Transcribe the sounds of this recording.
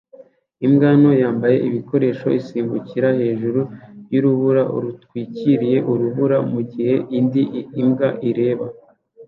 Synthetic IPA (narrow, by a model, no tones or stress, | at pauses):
imɡaːno̞jaːmbaje̞̰ʔiβiko̞ɾe̞ːʃo̞̰ʔisiːmbuciɾahe̞ːʒuɾuβjuɾuβuɾaʔṵɾutwiːciɾije̞ʔuɾuβuɾamuɟihe̞ʔindiimɡaʔiɾe̞ːβa